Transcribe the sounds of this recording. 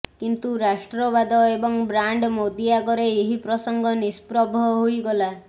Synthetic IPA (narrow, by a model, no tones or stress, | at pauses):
kint̪uɾasʈɾɔbad̪ɔebɔŋbɾaɳɖmod̪iaɡɔɾeːɦipɾɔsɔŋɡʱɔnispɾɔbʱɔɦojɡɔla